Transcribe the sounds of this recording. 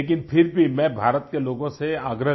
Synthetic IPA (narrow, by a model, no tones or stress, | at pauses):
eːk̬ɪnpʰɪɾbʱimɛ̃bʱaːɾət̪keloːɡõseaːɡɾə